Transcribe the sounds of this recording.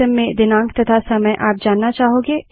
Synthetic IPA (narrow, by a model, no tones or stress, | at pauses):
əmːẽd̪ɪnãːŋkt̪ɐt̪ʰasɐməjʔaːp̚d͡ʒaːnːat͡ʃaːɦoːɡeː